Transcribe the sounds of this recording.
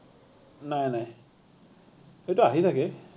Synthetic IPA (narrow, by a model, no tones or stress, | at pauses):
najnaj | xejtuaɦit̪ʰakɛ